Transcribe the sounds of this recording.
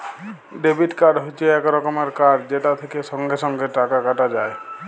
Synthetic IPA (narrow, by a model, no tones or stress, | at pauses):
ɖebiʈkaɾɖɦojt͡ʃʰieɛkɾɔkɔmeɾkaɖd͡ʒeʈat̪ʰekeʃɔŋɡeʃɔŋɡeʈakakaʈad͡ʒae